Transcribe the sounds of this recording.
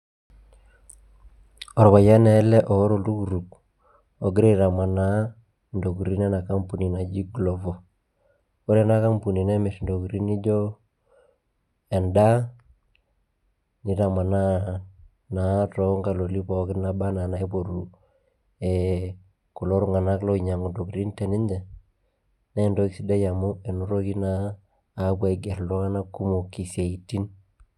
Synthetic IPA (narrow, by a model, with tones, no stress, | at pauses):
ɔ˨ɾβa˨ja˦nɛ˨˦lɛ˦ʔɔ˨˦ɾo˨du˦ku˨ɾu˨k | o˨ɡɪ˦ɾe˦ɾa˨ma˨na˦ | ndo˨ku˨ɾi˦nɛ˦na˨ka˦mpu˨ni˨na˨d͡ʒi˦ɡlɔ˨vɔ˨ | o˦ɾɛ˦na˦ka˦mpu˨ni˨nɛ˦me˨sndo˨ku˨ɾi˦ni˦d͡ʒɔ˦ | ɛ˨nda˦ | ni˨˦ta˨ma˨na˦ | na˨tɔ˦ŋɡa˨lo˨li˦pɔ˨kɪ˦na˦ba˦na˨na˨ɛ˦po˨ɾu˨ | e˨ | kʊ˨lo˦ɾʊ˦ŋa˨na˦klo˦i˨ɲa˨ŋo˨do˨kɾi˦nte˨nɪ˦ɲd͡ʒɛ˨ | ne˦ndo˦kisi˦de˦ja˨mu˦e˨nu˦ɾo˦ki˦naː˦˨˦ | pwa˦i˨ɡe˨ɾlɔ˦ŋa˦na˦kːu˦mo˨ki˨sa˨i˨tːi˦n